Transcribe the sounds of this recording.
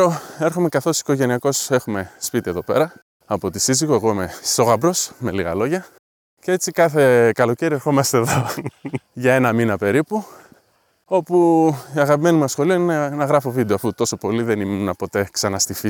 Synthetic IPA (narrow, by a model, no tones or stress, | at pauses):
oe̞ɾxome̞kɐθo̞si̥ko̞ʝe̞niɐko̞se̞xume̞spit̪ieðo̞pe̞̰ɾɐː | po̞t̪isiziɣo̞e̞ɣo̞ime̞st̪o̞ɣɐbɾo̞smeliɣɐ̰lo̞ʝɐ | cee̞t͡sikɐθe̞kɐlo̞ce̞ɾie̞ɾxo̞mɐst̪eðo̞ | ʝɐe̞nɐminɐpe̞ɾipu | o̞puiɐɣɐpime̞nimɐsxo̞lioininenɐɣɾɐfo̞vid̪eɐfut̪o̞so̞po̞liðe̞nimunɐpo̞t̪e̞ksɐnɐst̪ifi